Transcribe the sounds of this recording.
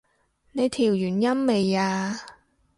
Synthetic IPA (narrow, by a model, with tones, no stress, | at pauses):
ne˨˧jt̪ʰiː˨˩wjyː˨˩njɐ˥mme˨jaː˧